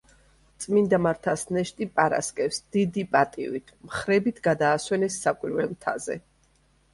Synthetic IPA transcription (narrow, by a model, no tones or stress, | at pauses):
t̪sʼmind̪amaɾt̪ʰasnɛʃt̪ʼipʼaɾa̰skʼɛfsd̪̥id̪ipʼat̪ʼḭvit̪ʰmχɾɛbit̪ʰɡad̪aːswɛnɛsːakʼwiɾvɛmt̪ʰa̰zɛ̰